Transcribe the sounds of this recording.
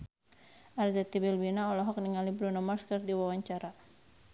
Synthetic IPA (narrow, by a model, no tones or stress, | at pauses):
ʔarzɛt̪ibilwinaɔlɔɦɔk̚niŋalibɾunamɔskərdiwawaɲt͡ʃaɾa